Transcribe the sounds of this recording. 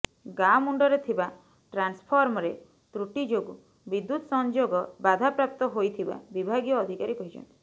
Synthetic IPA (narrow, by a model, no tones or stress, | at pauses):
ɡamuɳɖɔɾet̪ʰiba | ʈɾanspʰɔɾmɔɾe | t̪ɾuʈid͡ʒoɡu | bid̪ːut̪ɔsɔnd͡ʒoɡɔbad̪ʱapɾap̚t̪ɔɦojt̪ʰiba̰bibʱaɡijɔːd̪ʱikaɾikɔɦid͡ʒɔ̰nt̪i̥